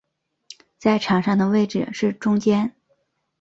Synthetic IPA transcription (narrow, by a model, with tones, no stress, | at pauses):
t͡sa˥˩ɪʈ͡ʂʰɑ˨˥ŋʂɑ˥˩ŋd̪ə˩we˥˧ɪʈ͡ʂɻ̩̰˨˩ʂɻ̩˥˩ʈ͡ʂʊ˥ŋt͡ɕjɛ˥n